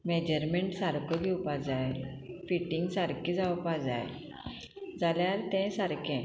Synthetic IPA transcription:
med͡ʑəɾmeɳʈsaɾkʰoɡʱɛwpad͡zaj | fiʈĩŋɡsaɾkĩd͡zawpad͡za̰j | d͡zaljaɾt̪ɛ̃saɾkʰɛ̃

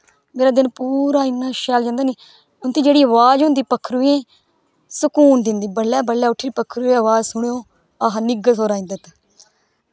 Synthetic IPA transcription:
meːɾaːd̪ɪnpuːɾaːɪnːaːʃɛːld͡ʒãːnd̪aːniː | ʊnt̪iːd͡ʒeːɽiːəʋaːd͡ʒɦʊ̃nd̪iːpəkʰːɾuiẽː | sʊkuːnd̪ɪnd̪iːbəlːaːbəlːaːʊʈʰːiːipəkʰːɾueːəʋaːzsʊɳːõː | aɦnɪɡəsoːɾaːĩnd̪ət̪

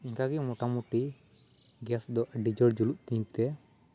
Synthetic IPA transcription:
iŋkaɡɛmɔʈamuʈi | ɡɛsd̪ɔʔɖid͡ʒɔɽd͡ʒuluʔt̪iɲt̪ɛ

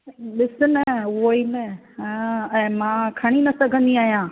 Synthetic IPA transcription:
ɓɪsʊnɐʊɦoiːnɐ | ɛ̃ːmãːkʰɐɽ̃inɐsɐɡʱə̃nd̪iaːɦijãː

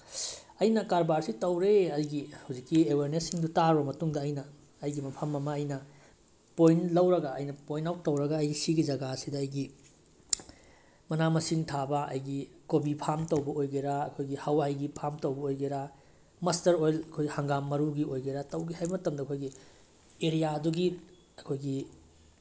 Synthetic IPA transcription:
ɐjnɐkaɾbaɾsitɐwɾeɐjɡihɐwzikːieweɾnesːiŋdutaɾubɐmɐtuŋdɐːjnɐː | jɡimɐpʰɐmːɐmɐːjnɐ | pojnlɐwɾɐɡɐɐ̰jnɐpojnawtːɐwɾɐɡɐːjɡisiɡid͡ʒɐɡasidɐːjɡi | mɐnamɐsiŋtʰabɐɐ̰jɡikobipʰamtɐwbɐʔojɡeɾaːkʰojɡihawajɡipʰamtɐwbɐojɡeɾa | mɐstɐɾojlɐkʰojhɐŋɡamːɐɾuɡiojɡeɾatɐwɡihajbmɐtɐmdɐkʰojɡi | eɾijaɐduɡi | ɐkʰojɡi

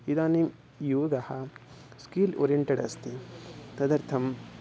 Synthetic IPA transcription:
id̪aːnim | joːɡɐhɐ | skiːlo̰ːɾijeɳʈeɖɐst̪it̪ɐd̪ɐɾt̪ʰɐm

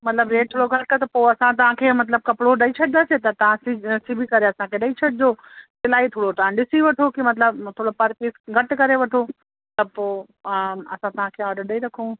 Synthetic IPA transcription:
mɐt̪ləbɾeːʈ̚t̪ʰoːɽoɡʱɐɾkɐt̪ɐpoːɐsãt̪̬ɐʋãkʰeːmɐt̪ləb̚kɐpɽoɗɐit͡ɕʰɐɗd̪aset̪ɐt̪ɐʋ̤ãsisibʱikɐɾeɐsãkʰeɗɐit͡ɕʰɐɗɪd͡ʑoː | sɪlaːit̪ʰoːɽot̪ɐʋãɗɪsiʋɐʈʰokimɐt̪ləbt̪ʰoːɽopɐɾpiːsɡʱɐʈkɐɾeʋɐʈʰo | ɐt̪əb̚poː | ɐ̰sãt̪ɐʋ̤ãkʰeːaːɾɖəɾɗɐiɾɐkʰũ

